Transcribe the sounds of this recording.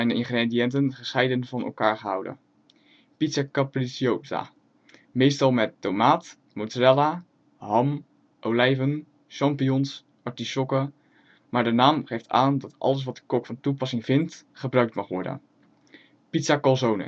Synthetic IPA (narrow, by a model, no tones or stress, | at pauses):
ɛjnəɪnχrediɛntənχəsχɛjdənvɑnɛ̰lˠkaːɹχəɦʌ̰wdə̰n | pitsakaprisiowta̰ | mejstɑlˠmɛtːowmaːt | motrɛla | ɦɑm | ʔowlɛjvən | ʃɑmpijɔns | ʔɑɹtisɔkə | maːɹdənaːmχejfta̰ːndɑtʔɑ̰ləs̬ʋɑt̚də̥kɔkfɑntupɑsɪŋvɪntχəbrœɥktmɑχʋɔ̰ɹdə̰n | pitsakɑlˠzownə̰